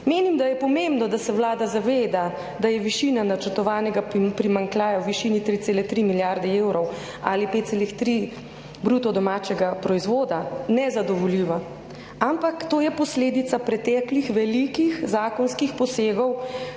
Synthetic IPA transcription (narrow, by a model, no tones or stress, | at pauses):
meːnimd̪ajɛpɔmembnɔd̪asɛwlaːd̪azaʋeːd̪a | d̪ajɛʋiʃiːnanat͡ʃəɾt̪ɔʋaːnɛɡapɾimaŋklʲaːjawʋiʃiːnit̪ɾit̪seːlɛt̪ɾimiljaɾd̪ɛeːwɾɔw | alipet̪t̪seːlixt̪ɾi | bɾuːt̪ɔd̪ɔmaːt͡ʃɛɡapɾɔizʋoːd̪anɛzad̪ɔʋɔljiːʋa | ampakt̪oːjɛpɔsleːd̪it̪sapɾɛt̪ɛːklixʋɛlikixzaːkɔnskixpɔseːɡɔw